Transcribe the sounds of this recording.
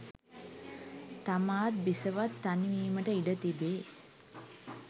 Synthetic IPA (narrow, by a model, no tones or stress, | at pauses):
t̪amaːt̪̚bisəʋat̪ːaniʋiːməʈəiɖət̪ibe